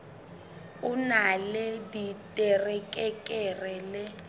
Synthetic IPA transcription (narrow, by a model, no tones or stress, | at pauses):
unaleditʼɛrɛkʼɛkʼɛrɛlɛ